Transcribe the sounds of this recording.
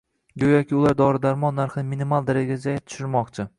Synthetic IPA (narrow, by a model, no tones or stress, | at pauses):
ɡʲojɒkʲɪʊlˠaɾd̪ɒɾɪd̪aɾmɒnːaɾχnɪminimalˠd̪aɾaɡʲad͡ʒajat̪ʰʊ̥ʃɪɾmɒqt͡ʃʰɪ